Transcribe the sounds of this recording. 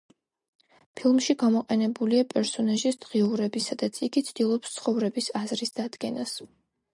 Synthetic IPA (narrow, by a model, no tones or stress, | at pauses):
pʰilˠmʃiɡamɔqʼɛnɛbuliapʼɛɾsɔnaʒisd̪ʁiuɾɛbisad̪at̪sʰiɡit̪sʰd̪̥ilˠɔpst̪sʰχɔvɾɛbisazɾisd̪̥ad̪ɡɛnas